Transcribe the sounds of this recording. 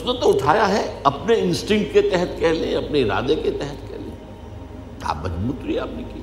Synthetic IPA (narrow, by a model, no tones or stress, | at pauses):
ʊsnet̪oʊʈʰaːjaɦɛɐpneɪ̃nsʈɪ̃ŋk̚ʈket̪ɛɦɛt̪kɛɦlẽɐpneɪɾa̰ːd̪eket̪ɛɦət̪kɛ̰ɦlḛ̃ | ka̰ːbɐd͡ʒmut̪ɾiaːpniki